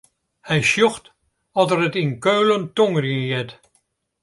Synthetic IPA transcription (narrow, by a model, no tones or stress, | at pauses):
hɛjʃjɔxt | ɔtərətinkøːləntɔŋrinjɛt